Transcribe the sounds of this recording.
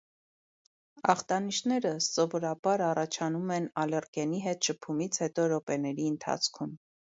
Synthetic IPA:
ɑ̰χt̪ɑniʃnɛɾəsɔvɔɾɑbɑɾɑrɑt͡ʃʰɑnumɛnɑlɛrkɛniɦɛt̪ʃəpʰumit͡sʰhɛt̪ɔɾɔpɛnɛɾiənt̪ʰɑ̰t͡sʰkʰum

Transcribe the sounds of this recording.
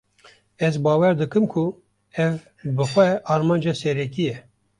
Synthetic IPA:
ɛzbɑːwɛɾd̪ɨkɨmkʰʊ | ɛv | bɨxʷɛʔɑːɾmɑːnd͡ʒɑsɛɾɛkijɛ

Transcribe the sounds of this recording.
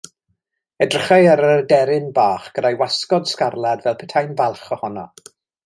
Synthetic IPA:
ɛdrəχajaɾədɛɾɪnbaːχɡ̥ədajwaskɔd̥skarlˠadvɛlˠpʰɛtʰajnvalˠχɔhɔnɔ̰

